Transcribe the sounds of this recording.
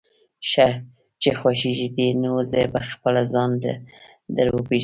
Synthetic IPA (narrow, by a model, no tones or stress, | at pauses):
ʃa | t͡ʃexwaʃiʒid̪inwozebaxpəlazɑnd̪ə̰ | d̪əɾwope